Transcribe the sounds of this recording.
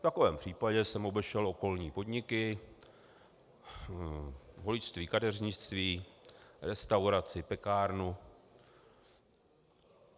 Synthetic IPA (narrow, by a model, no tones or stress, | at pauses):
ft̪akovɛːmpr̝̥iːpaɟɛsɛmo̞bɛʃɛlo̞ko̞lɲiːpo̞dɲɪkɪ | ɦolɪt͡ʃt̪viːkadɛrɲɪʃt͡st̪viːɾɛst̪awɾat͡sɪpɛkaːɾnu